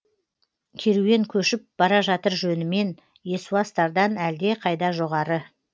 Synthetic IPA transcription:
kʲʰe̞ɾuwe̞ŋkʲʰɵʃɪp̚b̥ɑɾɑʒɑt̪əɾʒɵnɪme̞n | je̞suɑst̪ɑɾd̪ɑnæld̪e̞qʰɑjd̪ɑʒo̞ʁɑɾə

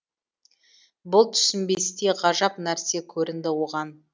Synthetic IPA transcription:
bʊlˠt̪ʰʏ̥sɪmbe̞st̪eʁɑʒɑpnæɾse̞kʲʰɵɾɪnd̪ɪwoʁɑn

